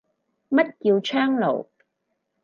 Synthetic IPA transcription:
mɐ˦˥t̚ki˧wt͡ʃʰœː˥ŋlo̰˨˩w

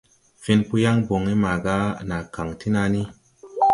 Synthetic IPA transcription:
fi˧npu˧ja˦ŋbo˨ŋi˦ma˨ɡa˦na˨ka˨ŋti˦na˧ni˦

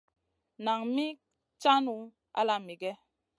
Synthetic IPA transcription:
na˨ŋmi˦ | t͡ʃa˦nu˨ | a̰˦la˦mi˨ɡɛ˦

